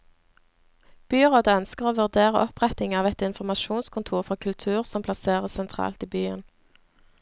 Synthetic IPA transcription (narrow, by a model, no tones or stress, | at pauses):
b̥yːʁoːd̪əœnskəʁoːʋʉʁd̪eːʁə̰ʔɔpʁɛt̪ɪŋɑːʋɛt̪ɪnfɔʁmɑʃuːnskʰʊnt̪ʰuːʁfɔʁkʰʉlt̪ʰʉːʁsɔmpʰlɑseːʁəsɛnt̪ʰʁɑ̰ːlt̪iːbyːə̰n